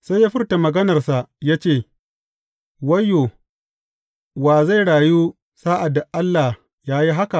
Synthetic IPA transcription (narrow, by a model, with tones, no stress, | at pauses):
sa˦jaː˦ɸɪ˦rta˨mɐ˨ɡɐ˦nɐ˨rsa˨ʔjaː˦t͡ʃeː˦˨ | wɐ˦jːoː˨ | waː˨za˦˨jɽaː˨juː˦ | saː˦ʔa˨da˨ʔa˦lːa˨ | jaː˦ji˦ɦa˦ka˨ʔ